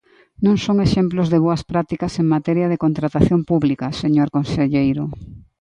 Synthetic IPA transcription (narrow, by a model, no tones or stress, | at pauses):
nõŋsoŋeʃemplozðeβoɐspɾat̪ikɐseŋmat̪ɛɾjɐð̞ekont̪ɾat̪aθjompuβlikɐseɲoɾkonseʎejɾʊ